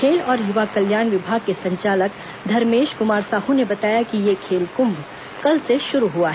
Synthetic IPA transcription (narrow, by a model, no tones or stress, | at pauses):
kʰeːlɔːɾjʊʋakɐljaːnʋɪbʱaːɡ̚kesɐ̃ɲt͡ʃaːlək | d̪ʱɐɾmeːʃkʊmaːɾsaːɦũnebɐt̪aːjakijekʰeːlkʊ̃mb | kɐlseʃʊɾuɦuaɦɛ